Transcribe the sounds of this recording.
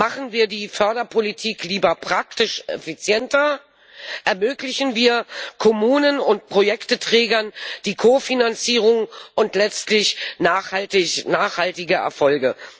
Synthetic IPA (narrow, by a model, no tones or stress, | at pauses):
maχn̩viːɐdiːfœɐdɐpʰolitʰiːkʰliːbɐpʁ̥aktɪʃʔɛ̰fit͡sjɛntɐ | ʔɛɐmøːklɪçnviːɐkʰɔmuːnənʊnt̚pʁ̥ojɛktətʁ̥ɛːɡɐnd̥iːkʰofinant͡siːʁʊŋʔʊntlɛt͡stlɪçnaːχatɪnaːχhaltɪɡəʔɛ̰ɐfɔlɡə